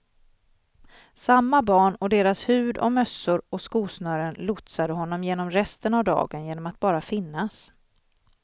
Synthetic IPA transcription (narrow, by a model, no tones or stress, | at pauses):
samːabɑːɳɔd̪eːɾashʉ̟ːd̪ɔ̰mœsːʊɾɔskuːsnœːɾənlʊt̪sad̪əɦɔnːɔmjeːnɔmɾɛst̪ənavd̪ɑ̰ːɡənjeːnɔmat̪̚bɑːɾafɪnːas